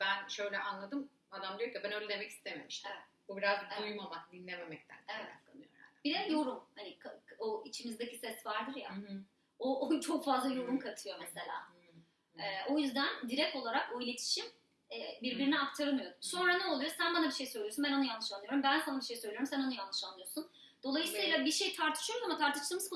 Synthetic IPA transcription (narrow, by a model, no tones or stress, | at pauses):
b̥ænʃø̞jlʲɛʔanlˠad̪ɯm | ad̪amd̪ijocibænøjlʲɛd̪e̞mɛci̥st̪ʰemiemiʃt̪ʰɛ | bubiɾazbujmamakd̪inlʲememɛc̚t̪ʰæ̰nɛɛa̰fk̪anɯjo̰ɾb̥id̪ɛjo̞ɾumhanikʰaoit͡ʃʰimizd̪ecisɛsvaɾd̪ɯɾja̰ | oʔt͡ʃʰo̞kfazlˠajo̞ɾumkʰat̪ʰɯjo̞mese̞lʲa̰ː | ɛːʔo̞jyzd̪ænd̪iɾɛc̚t̪o̞lˠaɾakoilʲe̞t̪ʰi̥ʃim | ɛːbiɾbiɾiniak̚t̪ʰaɾɯmɯjo̞d̪umso̞nɾanɛo̞lˠujosænbanabiʃe̞jsø̞jlʲijonbænanɯjanˠːɯʃanːɯjo̞ɾumbænsanɯmbiʃe̞jsølʲijo̞ɾumsænanɯjanːɯʃanːɯjo̞sun | d̪̥o̞lˠajɯsijlʲabiʃe̞jt̪ʰaɾt̪ʰɯʃɯjo̞ɾuzamat̪ʰaɾt̪ʰɯ̥ʃt̪ˠɯmɯzko